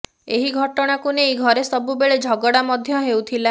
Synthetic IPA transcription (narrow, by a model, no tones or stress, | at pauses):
eɦiɡʱɔʈɔɽ̃akunejɡʱɔɾesɔbubeɭed͡ʒʱɔɡɔɽamɔd̪ʱjɔɦewt̪ʰila